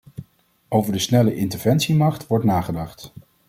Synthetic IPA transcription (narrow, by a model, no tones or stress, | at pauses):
owvəɹdəsnɛləʔɪntəɹvɛnsimɑχtʋɔɹtnaːχədɑχt